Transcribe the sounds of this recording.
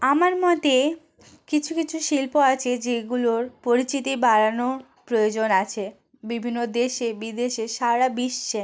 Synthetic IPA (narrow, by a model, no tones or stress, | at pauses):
amaɾmɔt̪e | kit͡ɕʰukit͡ɕʰuʃilpoat͡ɕʰed͡ʑeɡuloɾpoɾit͡ɕit̪ibaɾano | pɾojod͡ʑonat͡ɕʰe | bibʱinːod̪eʃebid̪eʃeʃaɾabiʃt͡ɕʰe